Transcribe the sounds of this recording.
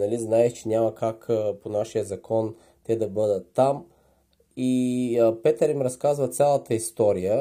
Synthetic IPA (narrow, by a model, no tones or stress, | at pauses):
nɐliznaɛʃt͡ʃɛnʲamɐkakponaʃijəzɐkʰɔn | t̪ɛd̪ɐbɤd̪ət̪ːam | ipɛt̪əɾimɾɐskazvət̪sʲalˠət̪əist̪ɔɾijə